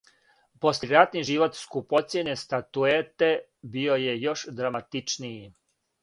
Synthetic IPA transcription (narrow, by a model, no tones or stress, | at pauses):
po̞slʲeɾat̪niʒiʋo̞t̪skupo̞t̪sʲjenest̪at̪uet̪e̞ | bio̞je̞jo̞ʃd̪ɾamat̪it͡ʃnii